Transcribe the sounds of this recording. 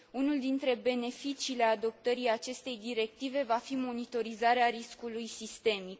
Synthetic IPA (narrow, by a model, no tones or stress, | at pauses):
unuld̪int̪ɾe̞be̞ne̞fit͡ʃiːle̞ad̪o̞p̚t̪əɾiat͡ʃe̞st̪e̞jd̪iɾe̞k̚t̪ive̞vafimo̞nit̪o̞ɾizaɾeaɾiskulujsist̪e̞mik